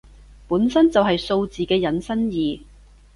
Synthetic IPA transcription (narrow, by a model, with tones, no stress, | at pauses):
puː˨˥nsɐ˥nt͡sɐ˨wɦɐ˨jso˧wt͡siː˨kɛː˧jɐ˨˥nsɐ˥njiː˨